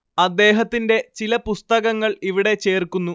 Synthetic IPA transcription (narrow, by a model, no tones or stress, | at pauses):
ɐd̪ːe̞ːɦɐt̪ːinde̞t͡ɕilɐpust̪ɐɣɐŋːɐɭiʋiɽe̞t͡ɕe̞ːrkunːu